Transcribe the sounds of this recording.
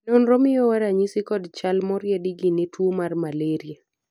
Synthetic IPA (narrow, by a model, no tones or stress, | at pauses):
nonɾɔmɪjɔwaɾaɲisɪkɔdt͡ʃalmɔɾjɛdiɡinetwomarmaleɾia